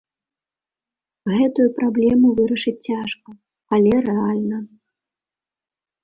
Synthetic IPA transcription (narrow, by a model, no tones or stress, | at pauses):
ɣɛt̪ujupɾablʲɛmuvɨɾɐʂɨt͡sʲt͡sʲaʂkɐ | ɐlʲɛrɛalʲnɐ